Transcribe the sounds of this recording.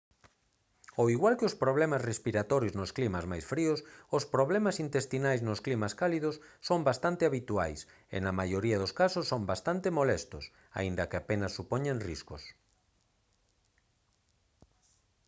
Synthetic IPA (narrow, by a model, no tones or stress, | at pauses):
oiɣwalkɪospɾoβlɛmasrespiɾat̪ɔɾjoznosklimazmajsfɾiʊsospɾoβlemasint̪est̪inajznosklimaskaliðʊsːombast̪ant̪ɪaβit̪ua̰js | ḛnɐmajoɾiaðoskasʊsːombast̪ant̪ɪmolɛst̪ʊs | a̰ind̪ɐkɪapenɐsːupɔɲeŋriskʊs